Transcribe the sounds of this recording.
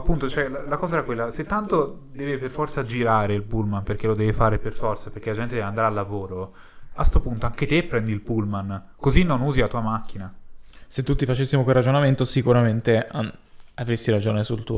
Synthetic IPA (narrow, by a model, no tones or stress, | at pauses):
apːunt̪ot͡ʃoɛlalakɔːzaɛɾakwelːaset̪ːant̪o | d̪ɛːveperfɔrt̪sad͡ʒiɾaːɾeilpulmanperk̟elod̪ɛːvefaːɾeperfɔrt̪saperkelad͡ʒɛnt̪ed̪ɛveand̪ɾaːlːavoːɾo | ast̪opunt̪oaŋk̟et̪epːɾɛnd̪ilpulman | kozinːonuːzilat̪uːamakːinaset̪ːut̪ːifat͡ʃesːimokwerad͡ʒonament̪osikuɾament̪eaavɾesːiɾad͡ʒoːnesult̪ṵː